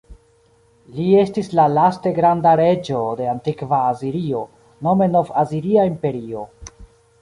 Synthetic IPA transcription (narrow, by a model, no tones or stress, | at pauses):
lie̞stislalaste̞ɡɾandaɾe̞d͡ʒo̞de̞antikvaːziɾio̞ | no̞me̞no̞vaziɾiaimpe̞ɾio̞